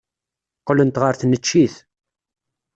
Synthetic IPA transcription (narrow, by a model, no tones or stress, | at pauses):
qːlənt̪ʁəɾθnət͡ʃːiθ